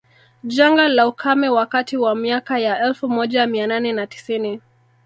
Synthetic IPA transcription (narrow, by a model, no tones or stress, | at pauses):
ʄaŋɡalaukʰamɛwakatiwamiakajaʔɛlfumɔʄamiananɛnati̥sini